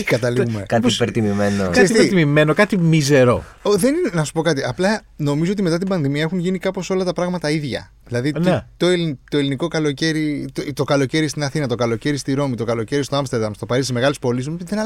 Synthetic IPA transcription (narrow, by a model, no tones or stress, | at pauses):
kɐt̪ɐliɣumekɐppeɾt̪imimenokɐist̪ɾit̪imime̞no̞kɐt̪imize̞ɾo̞ | oðe̞ninenɐsu̥po̞kɐt̪iɐplɐ | no̞mizoot̪ime̞t̪ɐt̪ibɐnðimiɐexunʝinikɐpo̞so̞lɐt̪ɐpɾɐɣmɐt̪ɐiðʝɐ̰ | ðilɐðinet̪o̞elint̪o̞eliniko̞kɐlo̞ce̞ɾit̪t̪o̞kɐlo̞ce̞ɾist̪inɐθinɐt̪o̞kɐlo̞ce̞ɾist̪iɾo̞mit̪o̞kɐlo̞ce̞ɾist̪oɐmst̪eɾd̪ɐmst̪o̞pɐɾisime̞ɣɐlispo̞lisðenɐ